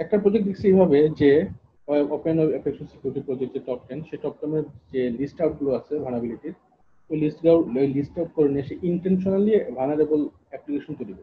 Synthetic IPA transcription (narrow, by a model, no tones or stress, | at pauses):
ɛk̚ʈapɾod͡ʑek̚d̪iksʰeejbʱabed͡ʑe | openɔbepʰekʃonsi̥kjuɾiʈipɾɔd͡ʑek̚d͡ʑeʈɔp̚ʈenʃeʈɔp̚ʈɔmeɾd͡ʑelisʈawʈ̚ɡuloat͡ɕʰebʱanabiliʈiɾ | ojlisʈɡaojlisʈawʈ̚kɔɾenieʃeʔiɳʈenʃonaliebʱanaɾebol | ɛplikeʃont̪ojɾikɔ